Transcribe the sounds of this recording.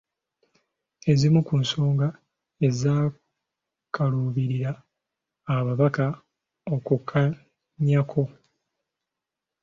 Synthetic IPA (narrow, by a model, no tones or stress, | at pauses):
e̞zimukunso̞ːŋɡa | e̞zaː | kaluːβiɾiɾaː | βaβaka | o̞kukʰa | ɲakʰo̞